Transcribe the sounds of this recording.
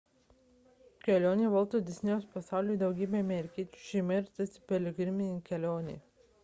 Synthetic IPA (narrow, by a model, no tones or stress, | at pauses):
kʲɛlʲoːnʲeːʋɐlˠt̪od̪ʲɛsʲnʲɛospɐsɑˑʊlʲuid̪ɐʊɡʲiːbʲeɐmʲɛɾʲɪkʲiɛt͡ʃʲu̥ʃʲɛmɐɾʲt̪ʲɐsʲɪpʲɛlʲɪɡʲɾʲɪmʲɪkʲɛlʲoːnʲḛː